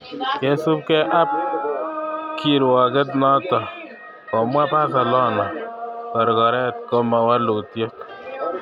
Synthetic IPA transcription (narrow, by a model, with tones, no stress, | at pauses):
kɛ˦sʊ˦p̚kɛ˦ʔa˦p̚ | kʰi˨ɾwɔ˨kɛ˦t̬nɔ˦tɔ˨ | kɔ˨mwa˦pa˦s̬a˨lɔ˦na˨kɔ˨ɾkɔ˨ɾɛ˦t̚kɔ˦ma˨wa˦lu˨tjo˦k